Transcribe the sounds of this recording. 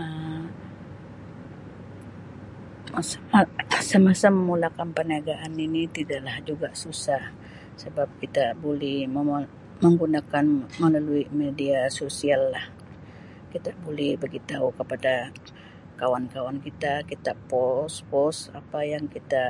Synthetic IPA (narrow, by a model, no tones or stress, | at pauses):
ə | s | səmasaməmulakanpəniaɡaʔaninit̪idaʔlahd͡ʒuɡasusah | səbap̚kit̪abolɛhmə | məŋɡunakanməlaluimediasosialːah | kit̪abolɛhbəɡit̪aukəpada | kawankawankit̪akit̪apɔspɔsa̰pajaŋkit̪a